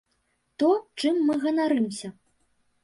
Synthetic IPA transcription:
t̪ɔt͡ʂɨmːɨɣɐnaɾɨmsʲɐ

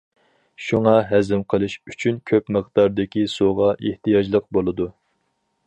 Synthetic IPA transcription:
ʃuŋɑɦæzɪmqʰəlˠɨʃyt͡ʃʰynkʲʰøpməχd̪ɑɾd̪ɪkʲisoʁɑʔeht̪ijɑd͡ʒlˠəq̚bolˠɨd̪u

